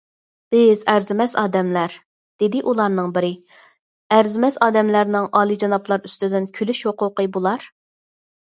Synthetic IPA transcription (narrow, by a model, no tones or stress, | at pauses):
b̥ɪzæɾzɪmɛsɑ̰ːd̪ɛmlæɾ | d̪̥ɪd̪ɪʔulˠɑɾnɨŋbɪɾɪ | æɾzɪmɛsɑːd̪ɛmlæɾnɪŋʔɑːlˠid͡ʒɑnɑplˠɑɾyst̪ɪd̪ɪnkʲʰylyʃhoqʊqəbulˠɑɾ